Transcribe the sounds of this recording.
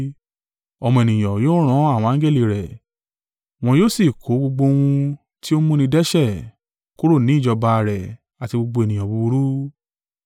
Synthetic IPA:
ɔ˨mɔ̃˨e˨nĩ˨j̃ɔ̃˨jo˦ɾ̃ɔ̃˨˦a˦˨w̃ɔ̃˧ã˨˦ɡe˦li˦˨ɾɛ˨ | w̃ɔ̃˧joː˦si˦˨kʰo˨˦ɡ͡bo˧ɡ͡bo˧w̃ũ˧ | ti˦o˦mũ˦nĩ˧dɛ˦ʃɛ˦˨ | ku˦ɾo˦˨nĩ˨˦i˦˨d͡ʒɔ˧ba˧˨ɾɛ˨ | a˨ti˧ɡ͡bo˧ɡ͡bo˧e˨nĩ˨j̃ɔ̃˨bu˧u˧ɾu˦

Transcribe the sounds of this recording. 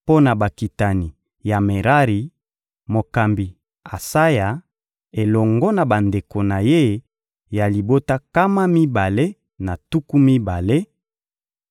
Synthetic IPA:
po˦na˨ba˨ki˨ta˨ni˨ | ja˨me˨ʁa˦ʁi˨ | mo˨ka˨mbi˨ | a˨sa˦ja˨ | e˨lɔ˨ŋɡɔ˦na˨ba˨nde˨ko˨na˨je˦ | ja˨li˨bo˦ta˦ka˦ma˦mi˦ba˨le˦ | na˨tu˦ku˦mi˦ba˨le˦

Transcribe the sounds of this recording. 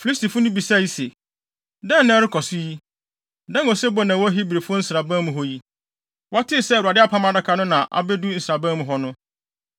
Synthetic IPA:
fi˨li˦s̬ti˨fʊ˦nʊ̃˦bi˨sa˦˨ji˦se˨ | dɛ̃˦˨nːɛ̃˦ɾɪ˦kʰɔ˨sʊ˦ji˦ | dã˦nɔ˨sɛ˦bɔ˦nã˨wɔ˦ɦi˦bɾe˨fʊ˦ɔ˦n̩˦sɾa˨bã˦mʊ̃˨ɦɔ˦ji˦ | wa˦tʰɪ˦˨sɛ˦˨a˨dɪ˦a˦˨pʰã˦ma˨da˦kʰa˨nʊ̃˦nã˨ʔa̰˨bɛ˦du˦n̩˨sɾa˨bã˦mʊ̃˨ɦɔ˦nʊ̃˦

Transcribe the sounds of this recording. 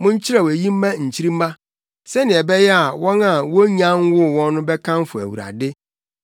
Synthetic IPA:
mʊ̃˦ɲ̩˦t͡ɕʰɪ˦ɾa˨wæ˨jĩ˦m̩˦mã˦ɲ̩˨t͡ɕʰi˦ɾi˦m̩ː˦ã˦ | sɛ˦nɪ̃˨ɛ˨bɛ˦jɛ˦a˨wɔ̃˦na˨wɔ˦ɲã˦n˦wʊ˦˨wɔ̃˦nː˦ʊ̃˦bɛ˦kʰã˦m˦fʊ˨æ̰˨wṵ˨ɾa̰˨dɪ˦

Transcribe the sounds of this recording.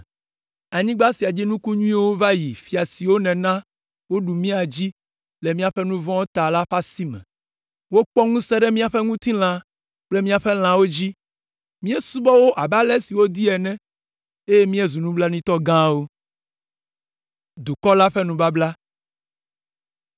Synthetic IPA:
a˨ɲĩ˦ɡ͡ba˦si˨a˨d͡ʑi˦nũ˦ku˦ɲũ˦ĩ˦wo˦va˦ji˨fi˨a˨si˨wo˦nɛ̃˨nã˦ | wo˦ɖu˨mĩ˦a˨d͡ʑi˦ | le˨mĩ˦a˨ɸɛ˦nũ˦vɔ̃˦wo˦t̪a˨la˦ɸa˦si˦mɛ̰̃˨ | wo˦k͡pɔ˦ŋũ˦sɛ˦ɖɛ˦mĩ˦a˨ɸɛ˦ŋũ˦t̪ĩ˦l̃ã˦ | k͡ple˦mĩ˦a˨ɸɛ˦l̃ã˨wo˦d͡ʑi˦ | mĩ˦ɛ˦su˦bɔ˦wo˦ʔa˨ba˦lɛ˦si˨wo˦d̪i˦ɛ˨nɛ̃˦ | e˦je˦mĩ˦ɛ˦˨zu˨nũ˦bla˦nĩ˦t̪ɔ˦ɡã˦wo˦ | d̪u˨kɔ˦la˦ɸɛ˦nũ˨ba˦bla˦

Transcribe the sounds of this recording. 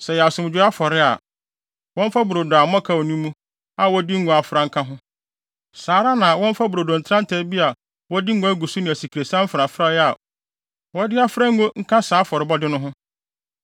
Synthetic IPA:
sɛ˨jɛ˨a˨sʊ˨m˨d͡ʑᶣɪ˦a˦fɔ˨ɾɪ˦a̰˨ | wɔ̃˦m̩˦fa˦bu˨ɾo˨dʊ˨a˨m˦ɔ̃˦kʰa˦wɔ˨nũ˦mːũ˦ | a˨wɔ˦dɪ˦ŋ̩˦ɡo˨a˨fɾa˦ŋ̩˦kʰã˦ɦʊ̃˦ | saː˨ɾa˦nã˨wɔ̃˦m˦fa˦bu˨ɾo˨do˨n̩˨tʰɾã˦n˦tʰɛ˦bi˦a˨ | wɔ˦dɪ˦ŋ̩˦ɡo˦æ˦ɡu˨su˦nɪ̃˨æ˨si˨kʰi˨ɾe˨sã˦m̩˦fɾa˨fɾa˦jɛ˦a˨ | wɔ˦dɪ˦a˦fɾa˦ŋ̩˦ɡo˦ŋ̩˦kʰã˦saː˨˦fɔ˨ɾɪ˦bɔ˦dɪ˦nʊ̃˦ɦʊ̃˦

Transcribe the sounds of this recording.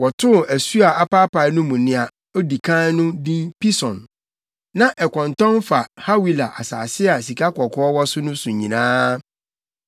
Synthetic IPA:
wɔ˨tʰʊ˦˨æ˨su˦a˨a˦pa˦pa˨˦nʊ̃˦mũ˨nɪ̃˦a˨ | ɔ˦di˨kʰã˦nʊ̃˦dĩ˦npi˦sɔ̃˨n | nã˦ʔɛ˨kʰɔ̃˨ntɔ̃˦nfa˨ha˦wi˨la˨ʔa˨sa̰ː˨sɪ˦a˨si˨kʰa˦kɔ˨kʊ˦ɔ˦wɔ˦sʊ˦nʊ̃˦sʊ̃˨ɲĩ˨nãː˦

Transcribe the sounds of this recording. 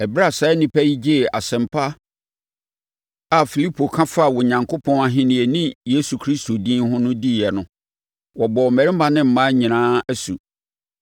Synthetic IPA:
ɛ˨bɾa˦˨saː˨˦nĩ˦pʰæ˦ji˦d͡ʑi˦˨ʔa̰˨sɛ̃˨mpʰa˦ | a˦fi˨li˦pʰo˨kʰã˦fa˦˨wɔ˨ɲã˨ŋkʰo˦pʰɔ̃˦na˦ɦɪ̃˦nĩ˨e˨nĩ˦je˦su˨kʰɾi˦sto˨dĩː˦nɦʊ̃˦nʊ̃˦di˦˨jɛ˨nʊ̃˦ | wɔ˨bɔ˨mɛ˨ɾɪ˦m˦ba˦nɪ̃˦m̩˨mã˦ɲĩ˨nãː˦æ˦sṵ˨

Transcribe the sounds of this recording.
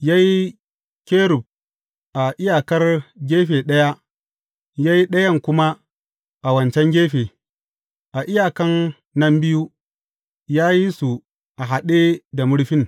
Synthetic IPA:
ja˦ji˦ | kʲeː˦ɾʊ˨b̚ | ʔa˨ʔɪ˦jaː˨kɐ˦rɡʲeː˦ɸeː˨ɗɐ˦ja˦ | ja˦ji˦ɗɐ˦jɐ˦˨ŋkʷʊ˦ma˦ | ʔa˨wɐ˨nt͡ʃɛ˦ŋɡʲeː˦ɸeː˨ | ʔa˨ʔɪ˦jaː˨kɐ˦nː | ɐ˦mbɪ˦ju˦ | jaː˦ji˦su˨ | ʔa˨ɦa˨ɗe˦da˨mʊ˦ɽɸɪ˦ŋ

